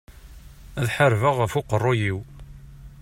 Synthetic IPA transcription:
æðħəɾvəʁəfʊqərˤːojiw

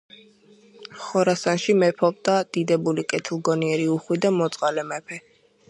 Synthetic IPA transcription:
χɔɾasanʃimɛpʰɔbd̪ad̪̥id̪ɛbulikʼɛt̪ʰilˠɡɔniɛɾiuχwid̪amɔt̪sʼqʼalɛmɛpʰɛ

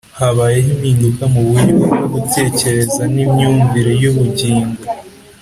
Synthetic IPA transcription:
haβaːje̞ɦimhiːndukamuβujiβuɡoɡutʰe̞ːce̞ɾe̞zanimɲuːɱviɾejuβuɟiːŋɡo

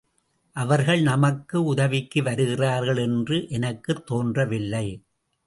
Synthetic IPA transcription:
ʔɐʋɐɾɣɐɭnɐmɐkːɯʊðɐʋɪkːɯʋɐɾɯɣɪraːɾɣɐɭɛndrɯʔɛnɐkːɯt̪ːoːndrɐʋɪlːɐɪ

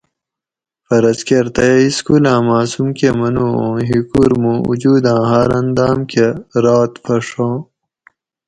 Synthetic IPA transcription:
fɐɾɐskeɾt̪ɐjiskulãːmaːsumkemɐnuːõːɦikuɾmũːṵd͡ʑuːd̪ãːɦaɾɐnd̪aːmkeɾaːt̪pʰɐʂõː

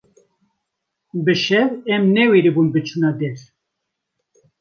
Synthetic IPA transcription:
bɨʃɛvɛmnɛweɾibunbɨt͡ʃʰunɑd̪ɛɾ

